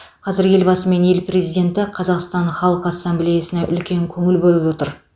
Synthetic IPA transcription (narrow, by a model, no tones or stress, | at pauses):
qʰɑzɪɾje̞lbɑsəme̞ne̞lprʲe̞zijd̪ʲe̞nt̪ɪqʰɑzɑqst̪ɑnχɑlˠəqəɑsːamblejasənɑʔʏlkʲe̞ŋkʲʰɵŋɪlbolˠəpwo̞t̪əɾ